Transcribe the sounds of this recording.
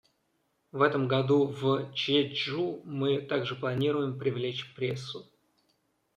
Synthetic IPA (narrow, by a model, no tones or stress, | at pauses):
vɛt̪əmɡɐd̪uvt͡ɕeumɨt̪aɡʐɨplˠɐnʲiɾʊjɪmpɾʲɪvlʲet͡ɕpɾʲe̞sːʊ